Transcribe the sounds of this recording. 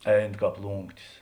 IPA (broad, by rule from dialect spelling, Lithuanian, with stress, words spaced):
ˈɛɪn ˈkɑːp ˈlˠuːŋktʲɪs